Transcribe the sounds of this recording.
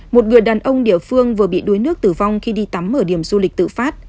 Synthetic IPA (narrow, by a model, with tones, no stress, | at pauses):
mo˨˩t̚ŋɨ˨˩əjɗaː˨˩nʔə˧wŋ͡mɗi˧˩əfɨ˧əŋvɨ˨˩əɓḭ˧˨ɗu˨˦jnɨ˦˥ək̚t̪ɨ˧˩va˧wŋ͡mxi˧ɗi˧t̪a˨˦mʔəː˧˩ɗi˧˩əmzu˧lï˨˩k̚t̪ɨ̰˧˨faː˦˥t̚